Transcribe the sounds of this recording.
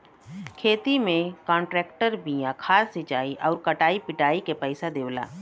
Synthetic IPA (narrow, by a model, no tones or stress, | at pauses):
kʰeːt̪imẽkɔ̃ːɳʈɾɛːkʈəɾbijãkʰaːsɪd͡ʒaːiʔɔːɾkɐʈaːipɪʈaːikepəɪsad̪eːwla̰ː